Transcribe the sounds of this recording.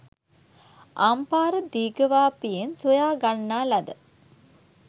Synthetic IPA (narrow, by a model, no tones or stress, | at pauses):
ʔampaːɾəd̪iːɡəʋaːpijensojaːɡanːaːlɐd̪ə